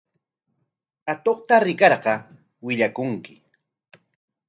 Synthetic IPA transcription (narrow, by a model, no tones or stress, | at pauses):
at̪oχt̪aɾɪkɑɾɢɑ | wɪʎakʊŋkɪ